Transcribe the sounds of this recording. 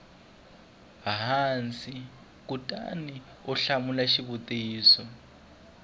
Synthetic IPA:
ɦant͡sʼi | k̬ʼutʼa̰ni | uɬamulaʃiβutʼiːsɔ

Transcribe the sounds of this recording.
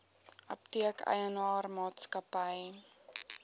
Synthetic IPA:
ʔɐp̚tiəkʰə̰jənɑːrmɑːtskɐpəj

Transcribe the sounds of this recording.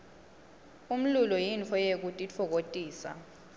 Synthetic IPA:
um̩lulɔjint͡fʰɔjek̬utʼit͡fʰɔk̬otʼiːsa̰

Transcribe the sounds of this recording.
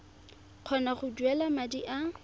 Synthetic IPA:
q͡χʰɔnaχʊdwɛlamadiʔa

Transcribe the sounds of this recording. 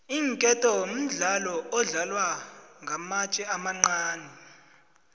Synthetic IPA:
iːŋkʼɛtʼɔwom̩ɮalɔɔɮalwaŋʱamat͡ʃʼɛamaŋ͡ǀaːnʱɛ

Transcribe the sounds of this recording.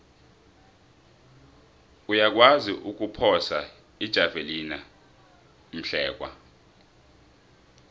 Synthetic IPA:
ujak̬waziʔuk̬ʼupʰɔsa | id̥ʒ̥ʱavelina | m̩ɬɛːk̬ʼwa̰

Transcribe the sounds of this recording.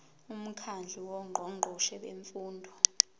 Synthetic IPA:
um̩kʰand͡ɮʱiwɔŋ͡ǃʱɔŋ͡ǃʱɔʃɛɓḛɱfuːndʱɔ

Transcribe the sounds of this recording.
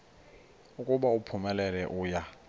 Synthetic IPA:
ukʼʊɓaupʰumɛlɛlɛʔʊːja

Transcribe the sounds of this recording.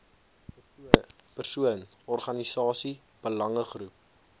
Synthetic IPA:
pərsuənɔrχɐnisɑːsi | b̥əlɐŋəχrup̚

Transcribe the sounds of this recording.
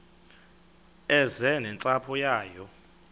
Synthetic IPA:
ɛzɛnɛnt͡sʼapʰɔjaːjɔ

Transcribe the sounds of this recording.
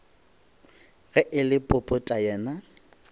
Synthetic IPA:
ɣɛʔɪlɪpʼʊpʼʊtʼajɛːna

